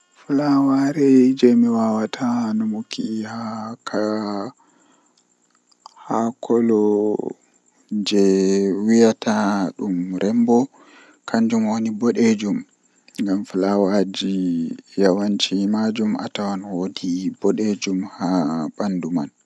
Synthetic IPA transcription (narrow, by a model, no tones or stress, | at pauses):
flawaɾɛd͡ʒɛmiwawatʰanɔmukihakʰa | hakʰɔlɔ | d͡ʒɛwijatʰaɗumɾʔɛmbɔ | kaɲd͡ʒumwonibɔɗed͡ʒum | ŋɡamflawad͡ʒijawant͡ʃimad͡ʒumʔa̰tawanwodibɔɗed͡ʒumhaɓanduma̰n